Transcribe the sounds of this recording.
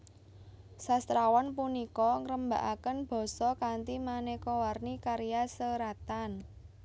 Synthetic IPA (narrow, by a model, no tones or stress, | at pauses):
sast̪ɾawanpunikɔŋɾəmba̤̰ʔakənb̥ɔ̤sɔkant̪imanekɔwarnikaɾijasəɾat̪an